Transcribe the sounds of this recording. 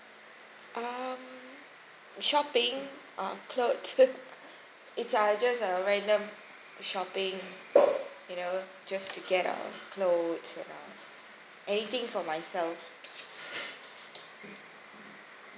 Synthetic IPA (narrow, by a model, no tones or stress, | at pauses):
ʔʌm | ʃɔpɪ̃ŋʔəkʰlot | ɪtsəd͡ʒasəɹɛ̃ndə̃m | ʃɔpɪ̃ŋ | juno | d͡ʒastuɡɛtə̰kʰlodsɛ̰̃nə̰ | ʔɛnit̪ɪ̃ŋfɔmaɪsɛlf